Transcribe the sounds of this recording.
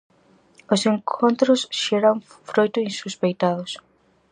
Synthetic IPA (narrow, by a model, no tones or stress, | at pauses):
oseŋkʰont̪ɾʊsʃeɾaŋ | fɾojt̪ʊinsuspejt̪aðʊs